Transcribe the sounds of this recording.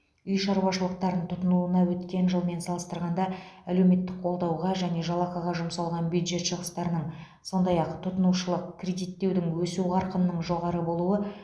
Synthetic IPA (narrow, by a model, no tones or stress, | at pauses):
ʏjʃɑɾwɑʃəlˠəq̚t̪ɑɾənt̪ʰʊt̪ənuənɑwɵt̪kʲe̞nʒəlˠme̞nsɑlˠəst̪əɾʁɑnd̪ɑæle̞wme̞t̪ːɪk̚qʰo̞lˠd̪ɑwʁɑʒæne̞ʒɑlˠɑqɑʁɑʒʊmsɑlˠʁɑnbjud̪ʒe̞t̪ʃəʁəst̪ɑɾənəɴ | so̞nd̪ɑjɑqt̪ʰʊt̪ənuʃəlˠəqkʲʰrʲe̞d̪ijt̪ːe̞wd̪ɪŋwɵsuɑɾqənəːəɴʒo̞ʁɑɾəbo̞lˠuə